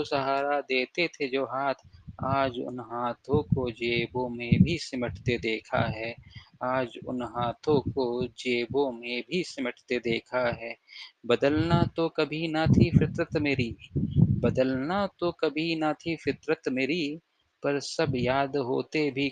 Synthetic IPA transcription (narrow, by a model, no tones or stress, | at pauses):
sɐɦaːɾad̪eːt̪et̪ʰed͡ʒoːɦaːt̪ʰaːd͡ʒʊ̰nɦaːt̪ʰõkod͡ʒeːbõmẽbʱisɪməʈʰt̪ed̪eːkʰa̰ɦɛːaːd͡ʒʊ̰nɦaːt̪ʰõkod͡ʒeːbõmẽbʱisɪməʈʰt̪ed̪eːkʰaɦɛːbəd̪əlnat̪okɐbʱinat̪ʰifɪt̪ɾət̪meːɾibəd̪əlnat̪okɐbʱinat̪ʰifɪt̪ɾət̪meːɾi | pɐɾsɐbjaːd̪ɦoːt̪ebʱi